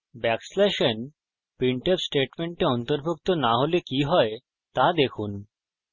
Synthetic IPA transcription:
bɛksleʃen | piɳʈebsʈeʈmeɳʈeɔnt̪oɾbʱuk̚t̪onaɦolekiɦɔe | t̪ad̪ekʰun

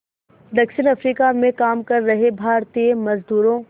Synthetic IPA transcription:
d̪ɐkʃɪnɐfɾiːkamẽkaːmkɐɾːɐɦebʱaːɾt̪iemɐzd̪uːɾõ

